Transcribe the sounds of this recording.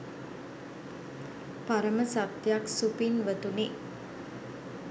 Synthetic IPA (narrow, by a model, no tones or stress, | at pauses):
paɾəməsap̚t̪jaksupinʋət̪uni